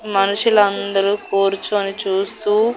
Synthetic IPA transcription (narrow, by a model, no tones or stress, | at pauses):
mɐnuʂulɐnd̪ɐɾuːkoːɾut͡ʃuːɐnit͡ʃuːst̪uː